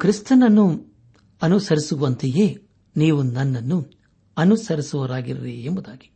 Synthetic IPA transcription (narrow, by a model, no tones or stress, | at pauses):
kɾist̪ɐnɐnːu | ɐnusɐɾisuʋɐnt̪ijeː | niːʋunɐnːɐnːu | ɐnusɐɾisuʋɐɾaːɡiɾɐɾiembud̪aːɡi̥